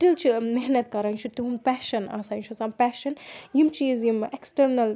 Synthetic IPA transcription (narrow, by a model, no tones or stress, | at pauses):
ʈilt͡ʃʰimeɦnɐt̪kɐɾant͡ʃʰut̪uɦunpæːʃɐna̰ːsaːnt͡ʃʰɐsampæːʃɐnjimt͡ʃiːzjimeksʈɐɾnɐl